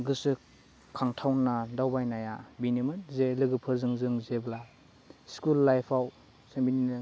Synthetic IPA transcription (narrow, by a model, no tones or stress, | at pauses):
ɡɯsɯ | kʰaŋtʰawnːadawbajnajabinimɯtzelɯɡɯpʰɯɾzɯŋzɯŋzebla | skulːajpʰaw | seŋbini